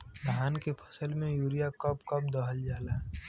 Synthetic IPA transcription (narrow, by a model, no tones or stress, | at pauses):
bəɦaːnkepʰəsəlmẽjuːɾijakəpkɐp̚d̪ɔɦəld͡ʒaːlaɦɛ